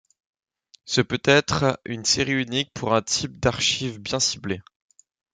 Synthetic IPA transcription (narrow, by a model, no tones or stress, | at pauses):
səpøt̪ɛt̪χynseʁiynik̚pʰuʁɛ̃t̪ʰip̚d̪aʁʃivbjɛ̃sible